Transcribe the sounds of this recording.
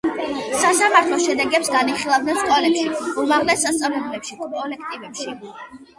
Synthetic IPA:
sasamaɾt̪ʰlˠɔʃɛd̪ɛɡɛpsɡaniχilˠavd̪nɛnskʼɔlɛpʃiumaʁlɛsːast̪sʼavlɛblɛpʃikʼkʼɔlɛk̚ʰt̪ʼivɛpʃi

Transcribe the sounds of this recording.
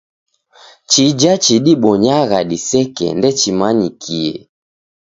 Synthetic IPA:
t͡ʃid͡ʒat͡ʃiɗiɓɔɲaɣaɗisɛkɛ̰ndɛt͡ʃimaɲikʰiɛ̰

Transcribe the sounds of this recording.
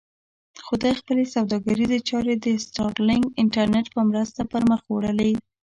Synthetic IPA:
xud̪ɑjxpəlesawd̪ɑɡaɾizet͡ʃɑɾed̪əsʈɑɾlɪŋɡɪɳʈaɾneʈpəmɾəst̪apəɾməxwɽəli

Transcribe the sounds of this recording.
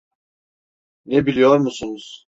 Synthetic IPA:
nebilʲijoɾmusunuz̥

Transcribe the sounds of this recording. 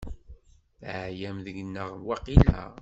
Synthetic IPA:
ʕjæmðəɡənːəʁwɑqilæ̰

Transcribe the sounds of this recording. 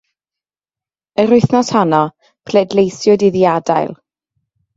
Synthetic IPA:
əɾʊɨθnɔshanɔ | pʰl̥eːdlejsjʊdiðiadajlˠ

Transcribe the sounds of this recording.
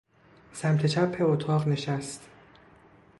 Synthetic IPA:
sæmt̪ʰe̞t͡ʃʰæpʰːe̞ot̪ʰɒːʁne̞ʃæst̪

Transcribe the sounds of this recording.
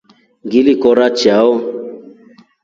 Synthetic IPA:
ɡilikɔɾat͡ʃiaɔ

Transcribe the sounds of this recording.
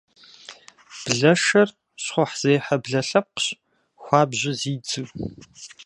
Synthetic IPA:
b̥ɮɐʃɐr | ɕχʷɔħz̥ejħɐbɮɐɬɐp̚qɕ | xʷɑːbʑɪziːd͡zɨ

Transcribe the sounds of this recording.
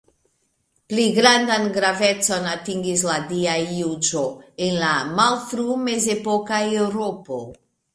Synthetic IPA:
pliɡɾandanɡɾave̞t͡so̞natiŋɡis̬ladiajːud͡ʒo̞e̞nlamalfɾume̞ze̞po̞kaewɾopo̞

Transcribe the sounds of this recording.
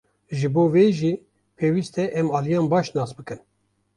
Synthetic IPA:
ʒɨboːveʒiː | pʰeːwiːst̪ɛʔɛmɑːlijɑːnbɑːʃnɑːsbɨkɨn

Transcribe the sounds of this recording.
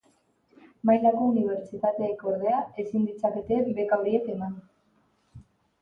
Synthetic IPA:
majlako̞uniβ̞e̞ɾt͡ʃit̪at̪e̞ːko̞ɾðe̞ae̞sind̪it͡sake̞t̪e̞be̞kawɾie̞t̪e̞man

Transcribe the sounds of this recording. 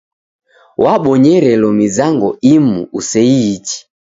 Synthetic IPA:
wʔaɓɔɲɛɾɛlɔmizaŋɡɔimṵusɛiːt͡ʃi̥

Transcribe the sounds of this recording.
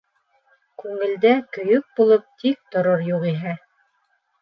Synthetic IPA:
kʉŋɘ̆ld̪ækɵ̆jɵk̚bulˠɤp̚t̪ʰik̚t̪ŏɾoɾjuqiɦæ

